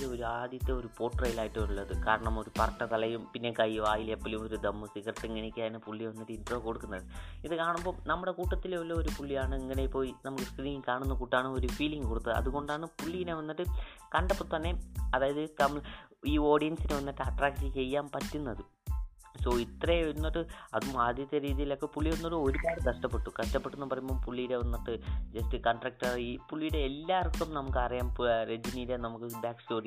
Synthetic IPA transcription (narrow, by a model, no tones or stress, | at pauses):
eoɾuaːd̪jɐt̪ːeoɾupo̞ːʈːrɐjilaːjiʈːɐʋɐɾuɭːɐðɨkaːɾɐɳɐmo̞ɾupɐrɐʈːɐt̪ɐlɐjumpinːe̞kɐjiʋaːjilepːɐljumo̞ɾud̪ɐmːɨsiɣɐrt̪ːiŋɡinikʲːaːnɨpuɭːiʋɐnːiʈːɨid̪roːko̞ɽukːunːɐðɨiðɨkaːɳɐmbo̞ːnɐmːuɽe̞kuːʈːɐt̪ːilolːooɾupuɭːijaːɳɨeŋːɐne̞ipːo̞ːinɐmukːɨskriːiŋkaːɳunːɐkuːʈːaːɳɨoɾufiːliŋɡɨkoɽut̪ːɐðɨɐ̰ðuɣo̞ɳɖaːɳɨpuɭːijineʋɐnːiʈːɨ | kɐɳɖɐpːot̪ɐnːe̞ɐðaːjɐðɨt̪ɐmːɐɭiːo̞ːɖijɐnsineʋɐnːiʈːɨɐʈraːkʈɨt͡ɕe̞jːaːmpɐtːunːɐðɨ | so̞ːit̪reʋɐɾunːɐʈːɨɐðumaːd̪jɐt̪ːjɐɾiːðijilo̞kːepuɭːiʋɐnːoʈːɨo̞ɾubaːɽɨkɐʂʈɐpːeʈːukɐʂʈɐpːeʈːunːɐpɐrɐjumbo̞ːpuɭːijɽe̞ʋɐnːɐʈːɨd͡ʑɐsʈɨkɐɳʈrɐk̚ʈaɭiːpuɭːijɽe̞ːlːaːrkːumnɐmukːɨɐrijaːmpred͡ʑiniːɾenɐmukːɨbjaːkstoːri